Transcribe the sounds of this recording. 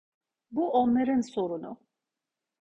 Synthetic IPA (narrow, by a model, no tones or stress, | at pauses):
buʔonlˠaɾɯnso̞ɾunʊ̰